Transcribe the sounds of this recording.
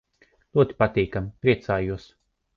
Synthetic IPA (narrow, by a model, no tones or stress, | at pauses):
lʲˠuɔt̪ʲi̥pat̪iːkamipɾiɛt̪saːjuɔs